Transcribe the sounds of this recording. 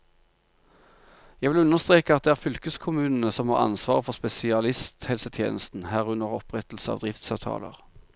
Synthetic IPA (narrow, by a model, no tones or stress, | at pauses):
jæʋɪlʉnəʁst̪ʁeːkəɑt̪̚d̪eːæːʁfʏlkəskʰʊmʉːnn̩əsɔmhɑ̰ʁɑ̰nsʋɑ̰ːʁəfɔʁspɛsɪɑlɪst̪hɛlsət̪ʰjḛːnəst̪n̩hæːʁʉnəʁɔpʁɛt̪l̩səɑ̰ʋd̪ʁɪft̪sɑʋt̪ʰɑ̰ːlə̰ʁ